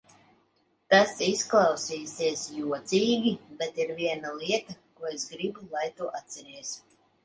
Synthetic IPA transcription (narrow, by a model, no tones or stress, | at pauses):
t̪asisklˠɑwsiːsʲiɛsjuɔt̪siːɡʲibɛt̪iɾviɛnaliɛt̪akuɔesɡɾibulˠajt̪uːʔat̪ʲsɛɾiɛs